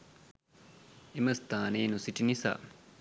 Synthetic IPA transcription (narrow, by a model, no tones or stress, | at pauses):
imɐst̪aːneːnusiʈinisa̰